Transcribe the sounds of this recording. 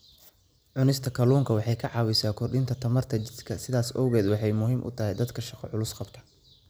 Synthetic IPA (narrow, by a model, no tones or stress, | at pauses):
ʕʊnɪst̪ʰɐkʰɐluːŋkʰɐwɑħɑjkʰɐʕɑːwɪsaːkʰɔrɖɪnt̪ʰɐt̪ʰɐmɐrt̪ʰɐt͡ʃɪskʰɐsɪðaːsɔːɣɛːd̪wɑħɑjmʊɦiːmʔʊ̰t̪ʰɐɦɛjd̪ɐd̪kʰɐʃɑqɔ̰ʕʊlʊsqɑbt̪ʰɐ̥